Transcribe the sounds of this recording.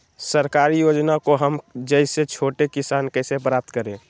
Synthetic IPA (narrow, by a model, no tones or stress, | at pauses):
səɾkaːɾijoːd͡ʒnakoɦəmd͡ʒəɪset͡ʃʰoːʈekɪsaːnkɛsepɾaːp̚t̪kəɾẽː